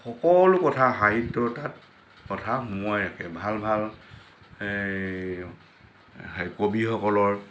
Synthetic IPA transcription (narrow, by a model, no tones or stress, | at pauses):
xɔkɔlʊkɔtʰaxaɦitːɔtat̚ | kɔtʰamuɔjakɛbʱalbʱal | kobixɔkɔlɔɹ